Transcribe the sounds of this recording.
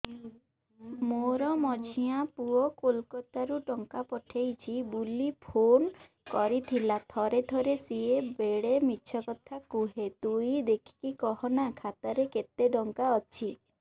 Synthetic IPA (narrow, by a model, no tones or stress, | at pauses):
moɾɔmɔd͡ʒʰʱĩapuɔkolkɔt̪aɾuʈɔŋkapɔʈʰejt͡ʃʰibulipʰon | kɔɾit̪ʰilat̪ʰɔɾed̪ʰʱɔɾesiebeɽemiːt͡ʃʰɔkɔt̪ʰakuɦet̪uid̪ekʰi̥kikɔhɔnakʰat̪aɾeket̪eɖɔŋkaɔt͡ʃʰi